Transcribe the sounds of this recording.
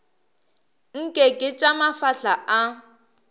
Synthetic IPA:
ŋ̩kʼɛkʼɪt͡ʃʼamafaɬaʔa

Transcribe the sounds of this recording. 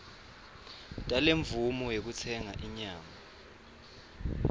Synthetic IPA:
tʼaleɱvumɔjek̬ut͡sʰɛŋaʔiɲaːma

